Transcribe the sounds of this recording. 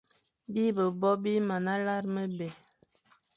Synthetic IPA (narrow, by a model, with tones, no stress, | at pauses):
bi˦bə˨bɔ˦bi˦ma˨na˦la˦ɾmə˦bɛ˨